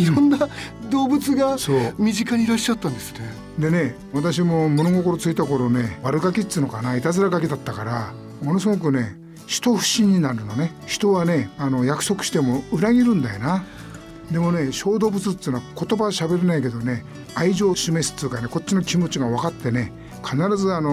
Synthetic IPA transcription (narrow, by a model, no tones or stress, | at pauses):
iɾõnːad̪o̞ːbɯ̟t͡sɨɡasoːmʲiʑikaɲiɾaɕːat̪ːãnd̪e̞sɨ̥ne | d̪e̞ne̞ | βat̪aɕ̬imo̞mono̞ɡo̞ko̞ɾo̞t͡sɨit̪ako̞ɾo̞ne̞βaɾɯ̟ɡakʲit͡sːɨno̞kanait̪azɨɾaɡak̬ʲid̪at̪ːakaɾa | mo̞no̞s̬ɨɡo̞k̬ɯ̟ne̞ | ɕi̥t̪o̞ɸɯ̟̥ɕĩɲ̟ːinaɾɯ̟none̞ | çi̥t̪o̞βane̞ano̞jakɯ̟̥so̞kɯ̟̥ɕi̥t̪e̞mo̞ɯɾaɡʲiɾɯ̟̃nd̪ajo̰na | d̪e̞mo̞ne̞ɕo̞ːd̪o̞ːbɯ̟t͡sɨt̪ːiːnoako̞t̪o̞baβaɕabe̞ɾenaik̬e̞d̪o̞ne̞ | aiʑo̞ːɕime̞sɨ̥t̪ːiːkaneko̞tt͡ɕːinokʲimo̞t͡ɕiɡaβakat̪ːe̞ne̞ | kʰanaɾazɨano̞